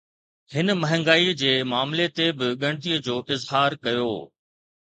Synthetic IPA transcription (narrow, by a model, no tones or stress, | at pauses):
hɪnəmɐɦə̃ŋɡaːid͡ʑeːmaːmlet̪ebɪɠɐ̃ɽ̃t̪iəd͡ʑoːʔɪzɦaːɾkɐjo̰ː